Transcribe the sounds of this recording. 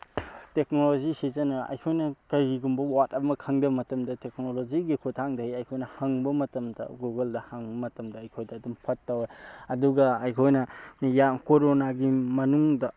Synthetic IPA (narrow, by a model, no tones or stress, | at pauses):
tek̚nolozisizɐnɐɐ̰jkʰojnɐkɐɡiɡumbɐwatɐmɐkʰaŋdɐmɐtɐmdɐtek̚noloziɡikʰotʰaŋdɐɦajɐjkʰojnɐhaŋbɐmɐtɐmdɐ̰ɡuɡeldɐhaŋbmɐtɐmdɐːjkʰojdɐːdumpʰɐtːawjɐduɡɐɐjkʰojnɐjamkoɾonaɡimɐnuŋdɐ